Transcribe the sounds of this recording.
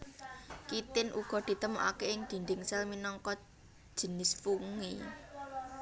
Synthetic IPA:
kit̪ɪnʔṵɡ̥ɔ̤d̪̥i̤t̪əmɔ̰ʔa̰keɪŋd̪̥i̤nd̪ɪŋsɛlminɔŋkɔ̥ | ʒ̥ə̤nɪsfuŋi

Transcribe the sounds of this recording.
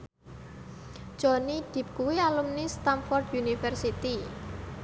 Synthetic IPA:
ʒ̥ɔnid̪̥i̤p̚kuwialumnist̪amfɔrd̪unifɛrsit̪i

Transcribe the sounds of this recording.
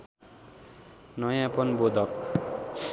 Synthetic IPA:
nʌjãpʌnbod̪ʱʌk

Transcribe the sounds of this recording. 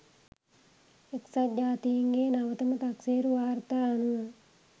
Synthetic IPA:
eksad͡ʒaːt̪ijiŋɡeːnaʋət̪əmət̪akseːɾuʋaːɾt̪aːanuə

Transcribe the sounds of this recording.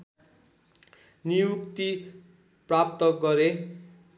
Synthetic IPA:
nijukt̪i | prap̚t̪ʌɡʌɾe

